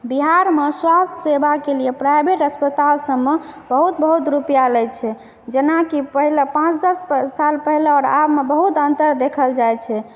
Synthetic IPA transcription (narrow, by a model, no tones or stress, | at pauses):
biɦaɾmeswast̪ʰəsebakelijepɾajbeʈəspət̪alsəmːebəɦut̪̚bəɦut̪ɾupijaləjt͡ʃʰɛ | d͡ʒenakiəɦilepãt͡ʃd̪əsːalpəɦilɔɾa̰bmebəɦut̪ənt̪əɾd̪ekʰəld͡ʒajt͡ʃʰɛ